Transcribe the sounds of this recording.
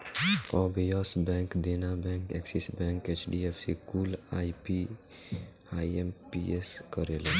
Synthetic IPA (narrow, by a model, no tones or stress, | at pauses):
ɔːbejɔːsbɛ̃ːŋkd̪eːnabɛ̃ːŋkɛksisbɛ̃ːŋkeːt͡ʃɖiefsikuːlaːipi | aːiempieskəɾeːleː